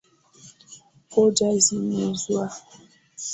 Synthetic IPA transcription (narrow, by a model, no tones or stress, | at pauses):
kod͡ʒazinezwa